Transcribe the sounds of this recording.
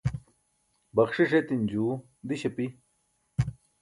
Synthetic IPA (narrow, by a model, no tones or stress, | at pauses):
bɐkʂiʂet̪ind͡ʑuː | d̪iɕɐpi